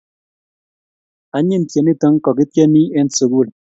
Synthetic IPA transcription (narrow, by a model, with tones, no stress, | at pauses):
a˨ɲɪ˦˨ntje˨ni˦tə˦ŋ˦kɔ˨ki˦tje˦ni˦ɛ˦nsu˨kwu˦˨d